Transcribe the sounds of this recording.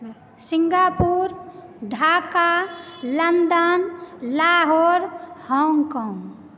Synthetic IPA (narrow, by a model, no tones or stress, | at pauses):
siŋɡapuɾ | ɖʱakalənd̪ənlaɦoːɾhɔŋɡkɔ̃ːŋɡ